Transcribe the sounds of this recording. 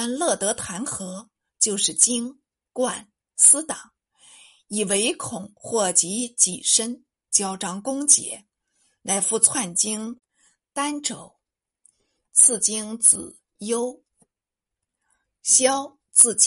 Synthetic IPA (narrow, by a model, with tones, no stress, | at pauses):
a˥nlɤ˥˩t̪ɤ˧˥t̪ʰa˧˥nxɤ˧˥ | t͡ɕjo˥˧ʊʂɻ̩˥˩t͡ɕi˥ŋ | kwa˥˩n | sɹ̩˥t̪ɑ˨˩˦ŋ | i˨˩we˧˥ɪkʰʊ˨˩˦ŋxwɔ˥˩t͡ɕi˧˥t͡ɕi˨˩ʂə˥n | t͡ɕjɑ˥ʊʈ͡ʂɑ˥ŋkʊ˥ŋt͡ɕjɛ̰˧˥ | na˧˩ɪfu˥˧t͡sʰwa˥˩nt͡ɕi˥ŋ | t̪a˥nʈ͡ʂo˨˩˦ʊ | t͡sʰɹ̩˥˩t͡ɕi˥ŋt͡sɹ̩˨˩ | jo˥ʊ | ɕjɑ˥ʊ | t͡sɹ̩˥˩t͡ɕ